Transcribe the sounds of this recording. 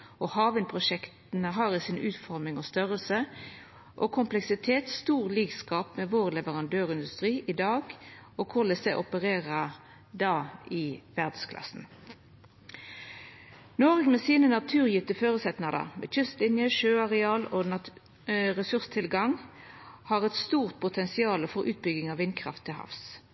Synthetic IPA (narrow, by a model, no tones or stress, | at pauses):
ʔɔhɑːʋənpʰʁʊʃɛkt̪nəɦɑːʁɪsɪnʉːt̪fɔʁmɪŋɔst̪œʁəlsə | ʔɔkʰʊmplɛksɪt̪ʰeːt̪st̪uːʁliːɡskɑːpmɛʋoːʁlɛʋəʁɑnd̪øːʁɪnd̪ʉst̪ʁiːʔɪd̪ɑːɡɔkʰʊʁlɛsɛʔɔpəʁeːʁə | d̪ɑːɪʋæʁd̪skʰlɑ̰sn̩ | noːʁɡmɛsiːnənɑt̪ʰʉːʁjʏt̪əføːʁʉsɛt̪nɑd̪ə̰ʁmɛ̰ːc͡çʏst̪lɪnjəʃøːɑʁɛɑːlo | ʁɛsʉʁst̪ʰɪlɡɑŋ | hɑːʁɛt̪st̪uːʁt̪̚pʰʊt̪ʰɛnsɪɑːləfɔʁʔʉ̰ːt̪̚bʏɡɪŋɑʋɪnkʰʁɑ̰ft̪ʰːɪlhɑ̰fs